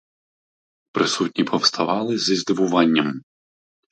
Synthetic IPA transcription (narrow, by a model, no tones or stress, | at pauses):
pɾɪsutʲnʲipʰɔwst̪ʰɐʋɑlˠɪzizd̪ɪʋʊʋɑnʲːɐm